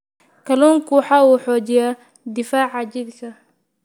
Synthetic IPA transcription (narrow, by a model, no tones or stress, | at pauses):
kʰɐlɔːŋkʰʊwħɑːuːħɔːt͡ʃɪjaː | d̪ɪfaːʕɑt͡ʃɪd̪kʰɐ